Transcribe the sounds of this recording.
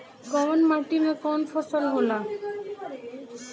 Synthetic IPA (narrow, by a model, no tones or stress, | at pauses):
kɔmɔnmaʈimekɔnfʰɔsɔlɦola